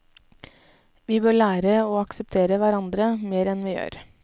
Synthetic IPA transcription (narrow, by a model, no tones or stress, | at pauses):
ʋiːbøːɭæːɾəoːɑksəp̚t̪ʰeːɾəʋæɾɑnd̪ɾəmeːɾɛnʋɪːjø̰ːɾ